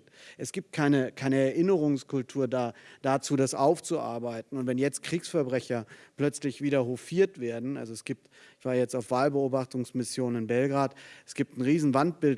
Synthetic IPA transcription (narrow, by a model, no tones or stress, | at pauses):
ʔɛsɡ̥iːp̚t̚kʰaɪnəkʰaɪnəɛɐʔɪnəʁ̞ʊŋskʰʊltʰuːɐdaːd̥at͡suːɾasʔaʊft͡suʔa̰ɐbaɪtn̩ʊntv̥ɛnjɛt͡st̚kʁ̥iːksfɛɐbʁɛçɐplœt͡slɪçv̥iːɾɐɦofiːɐtv̥eːɐdn̩a̰lzoɛsɡ̥iːp̚t | ɪçv̥aːɐjɛt͡staʊfv̥aːlbəoːbaχtʊŋsmɪsjoːnnɪnbɛlɡʁaːtɛ̥sɡ̥iːp̚tn̩ʁiːzn̩vant̚b̥ɪl